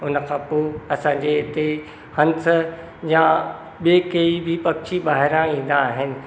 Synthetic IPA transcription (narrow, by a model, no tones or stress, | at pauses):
ʊnəkʰãːpoːɐsãːɲ̆d͡ʑeɪt̪e | hɐ̃nt̪ʰ | jã | ɓeːkeibʱɪpɐkt͡ɕibaːɦɪɾãĩːn̆d̪aːɦɪnɪ̆